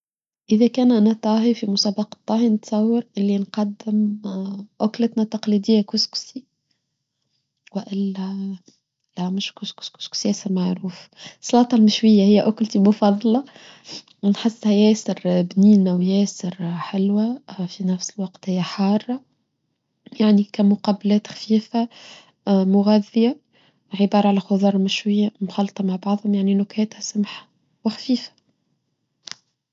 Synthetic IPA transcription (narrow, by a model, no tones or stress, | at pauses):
ʔɪðækæːnʔænæt̪ˤːɑːɦifimʊsɑːbɑqɑ̥t̪ˤːɑːhinət̪sˤɑwːɑɾʔɪlːinqɑd̪ːɪm | ʔʊklət̪næt̪ɑqlid̪ɪjːakʊsksi | wɪʔɪlːæ | læmɪʃkʊskʊ̥skʊ̥sksjɛːsɪɾmaʕɾuːfsˤːɑlɑːt̪ˤɑlmɪʃwɪjːæhɪjːæʔʊklt̪imʊfɑðˤːlɑ | nħɪsːhæjæːsɪɾbniːnæwjɛːsɪɾħɪlwæfinæfsɪlwɑqt̪hɪjːæħɑːrˤːɑ | jaʕnikæmʊqɑblɛːt̪xfiːfa | mʊɣæðːɪja | ʕɪbɑːɾˤɑʕalæxʊðˤɑːɾˤmɪʃwɪjːamxɑlt̪ˤɑmaʕbɑʕðˤhʊmjaʕninʊkhæːt̪hæsamħḁ | wɪxfiːfḁ